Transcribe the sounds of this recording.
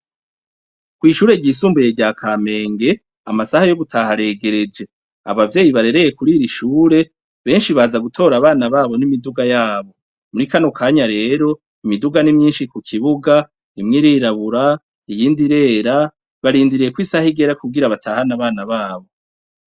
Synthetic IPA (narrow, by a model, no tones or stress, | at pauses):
kwiːʃuːɾe̞ɟiːs̬uːmbuje̞ɟaːkʰame̞ːŋɡe̞ | amasahajo̞ɡutʰahaɾe̞ːɡe̞ɾe̞d͡ʒe̞ | a̰βavjeːjiβaɾe̞ɾe̞je̞kuɾiːɾiʃuːɾe̞ | βe̞ːnʃiβaːzaɡutʰo̞ːɾaβaːnaβaːβo̞nimiduɡajaːβo̞ | muɾikanokʰaːɲaɾe̞ːɾo̞ | imiduɡanimɲiːnʃikukʰiβuɡa | imŋiɾiːɾaβuɾa | ijiːndiɾe̞ːɾa | βaɾiːndiɾije̞kwiːsahiɡe̞ɾakuɡiɾaβatʰahanaβaːnaβaːβo̞